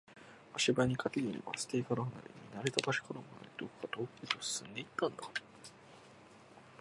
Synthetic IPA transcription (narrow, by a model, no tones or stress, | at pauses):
aɕibaɲ̟ikʰat̪eɡʲinʲḭβa̰sɨ̥t̪ekaɾoana̰ɾʲḛɲ̟ʲinaɾet̪abaɕi̥kanomona̰ɾid̪okkːat̪oːket̪osɨ̥sɨ̃nd̪e̞it̪ːãnd̪a